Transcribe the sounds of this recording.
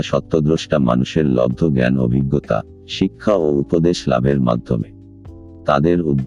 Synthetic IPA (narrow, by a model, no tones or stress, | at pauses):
ʃɔt̪ːod̪ɾoʃʈama̰nuʃeɾlɔ̰bd̪ʱːoɡɛno̰bʱiɡːot̪a̰ | ʃikʰːaoupod̪eʃla̰beɾma̰d̪ʱːome | t̪ad̪eɾud̪